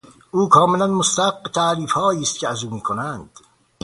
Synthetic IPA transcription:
ʔuːkʰɒːme̞lænmost̪æhaqːet̪ʰæʔɾiːfhɒːiːst̪̚cʰeæzuːmiːkʰonænd̪̥

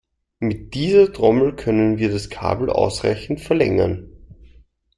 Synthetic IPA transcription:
mɪt̚d̥iːzɐtʁ̥ɔml̩kʰœnənviːɐɾaskʰa̰ːbl̩ʔa̰ʊsʁa̰ɪçn̩tfɛɐlɛ̰ŋɐn

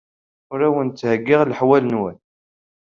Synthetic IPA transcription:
ʊɾæwənt͡s̪ːhəɡːɪʁlħwælnwən

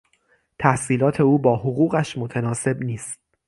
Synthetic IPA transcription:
t̪ʰæhsiːlɒːt̪ʰe̞uːbɒːhoɣuːɣæʃmot̪ʰænɒːse̞bniːst̪̚

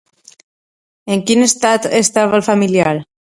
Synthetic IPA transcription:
eŋkinest̪at̪est̪aβalfamiliaɾ

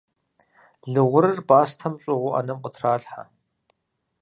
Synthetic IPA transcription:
ɮɨʁʷʊɾɨrbaːstʰɐmɕʼɪʁʷʊʔɐ̰nɐmqətʰraːɬħa̰

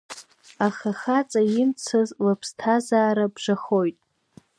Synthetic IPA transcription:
aχaχat͡sʼajɪmt͡sʰazlapʰstʰazaːɾabʐaχo̞jtʼ

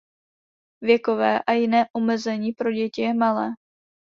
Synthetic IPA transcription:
vjɛkovɛːʔajɪnɛːʔomɛzɛɲiːpɾo̞ɟɛcɪjɛmalɛː

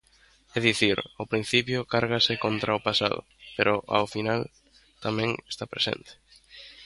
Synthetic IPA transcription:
ɛðiθiɾawpɾin̟θipjʊkaɾɣasɪkont̪ɾaʊpasa̰ðʊ̰peɾʊʔa̰wfinal | t̪amɛ̃ŋest̪apɾesḛnt̪e̥

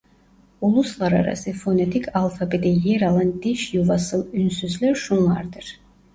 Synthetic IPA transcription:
ulˠuslˠaɾa̰ɾa̰sɯfonet̪ʰikʰalˠfabed̪ɛlijɛɾɑlˠɑnd̪iʃjuvɑsɯlˠynsyzlʲæɾʃunlˠɑ̰ɾd̪ɯɾ̥

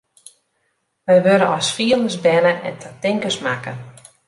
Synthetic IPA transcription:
ʋɛjʋøɾənɔsfiəlˠdəsbɛləʔɛ̰ntʰətɪŋkəsmakən

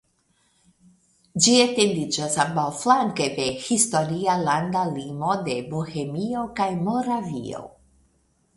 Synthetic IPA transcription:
d͡ʒietend̪id͡ʒasambawflaŋkede̞histo̞ɾialand̪alimo̞de̞bohe̞mio̞kajmo̞ɾavḭo̰

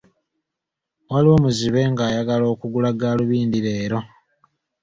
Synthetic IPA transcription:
waliwo̞muziβe̞ŋɡaːjaɡalo̞ːkuɡulaɡaːluβiːndiɾe̞ːɾo̞

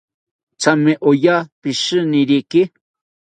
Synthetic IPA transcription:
t͡sameʔojapɪʃɨnɪɾikɪ

